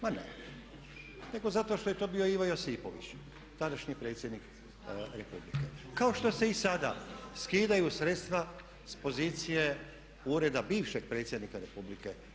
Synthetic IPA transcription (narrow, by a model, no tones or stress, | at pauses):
manḛ | ne̞ɡo̞zat̪o̞ʃt̪o̞jet̪o̞ːbio̞iʋojosiːpo̞ʋḭt͡ɕ | t̪ad̪aʃɲipɾe̞ːt̪sje̞d̪nik | ɾepublḭke̞kao̞ʃt̪o̞se̞isad̪a̰skiːd̪ajusɾe̞t̪st̪ʋa | spo̞ziːt̪sije̞ | uːɾe̞d̪abiːʋʃeɡ̚pɾe̞ːt̪sjed̪nikaɾe̞publike